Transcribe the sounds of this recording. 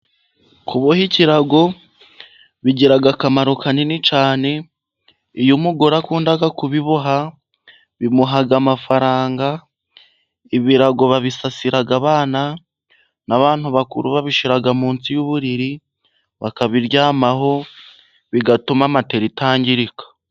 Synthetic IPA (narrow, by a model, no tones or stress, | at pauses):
kʰuβohiciɾaɡo̞ | βiɟiɾaɡakamaɾokaninit͡ʃaːne̞ | ijumuɡoɾakuːndaɡakuβiβoɦa | βimuɦaɡamafaɾaːŋɡa | iβiɾaɡo̞βaβisasiɾaɡaβaːna | naβaːn̥huβakuɾuβaβiʃiɾaɡamuːnt͡sijuβuɾiɾi | βakaβiɾjaːmaɦo̞ | βiɡatumamate̞ɾitaːɲɟiɾikḁ